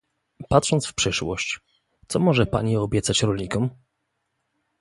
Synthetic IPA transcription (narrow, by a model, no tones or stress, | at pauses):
pat̪ʂɔnt̪sfpʂɘʂwɔ̰ɕt͡ɕ | t̪sɔmɔʐɛpa̰ɲiɔbʲjɛt̪sat͡ɕɾɔlʲɲikɔm